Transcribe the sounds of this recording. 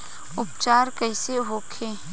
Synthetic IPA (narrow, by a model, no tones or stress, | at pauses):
ʊpt͡ʃaːɾkɐɪseɦoːkʰeː